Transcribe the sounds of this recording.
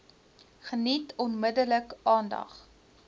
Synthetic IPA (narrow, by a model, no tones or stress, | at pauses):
χənitɔnmədələkɑːndɐ̰χ